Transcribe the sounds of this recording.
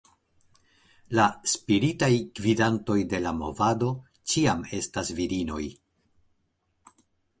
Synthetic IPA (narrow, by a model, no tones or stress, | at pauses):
laspiɾitajkvidanto̞jde̞lamo̞̰vado̞ | t͡ʃiame̞stasviɾino̞j